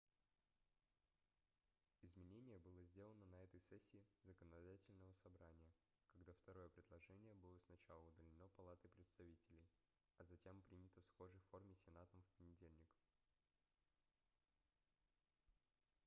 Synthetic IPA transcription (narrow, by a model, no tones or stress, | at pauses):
ɪzmʲɪnʲenʲɪjəbɨlˠəzʲdʲelˠənənɐɛt̪əjsɛsʲːɪːzəkənɐd̪atʲɪlʲnəvəsɐbɾanʲɪjə | kɐɡd̪aft̪ɐɾo̞jəpɾʲɪd̪lˠɐʐɛnʲɪjəbɨlˠəsnɐt͡ɕalˠəʊd̪əlʲɪno̞pɐlˠat̪əjpɾʲɪt̪st̪ɐvʲitʲɪlʲɪj | ɐzɐtʲe̞mpɾʲinʲɪt̪əfsxo̞ʐəjfo̞rmʲɪsʲɪnat̪əmfpənʲɪdʲelʲnʲɪk